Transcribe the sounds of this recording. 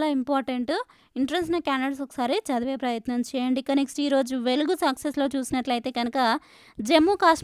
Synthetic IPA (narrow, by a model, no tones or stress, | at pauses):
laːimpaːɾʈeɳʈu | iɳʈɐɾensnɐkʲjaːnɐɽs̬ɔkɐ̥saːɾit͡ʃɐd̪ɐʋeːpɾɐjɐt̪nɐmt͡ʃɛːjɐɳɖikːɐneksʈiiːɾo̞ːd͡ʒuʋe̞luɡusɐkseslo̞ːt͡ʃuːsinɐʈlɐjt̪e̞ːɡɐnɐkɐ | d͡ʒe̞mːukaːʂ